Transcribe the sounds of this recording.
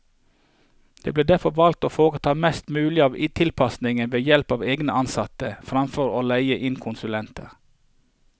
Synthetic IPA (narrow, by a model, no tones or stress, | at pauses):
d̪̥ḛːbleːd̪æfɔʋɑlt̪oːfoːʁət̪ʰɑːmɛst̪mʉːlɪɑːʋɪt̪ʰɪlpʰɑsnɪŋənʋeːjɛlpɑːʋeːɡnəɑnsɑt̪əfɾɑmfɔɾoːlæɪəʔɪnkʰʊnsʉlɛnt̪ʰəʁ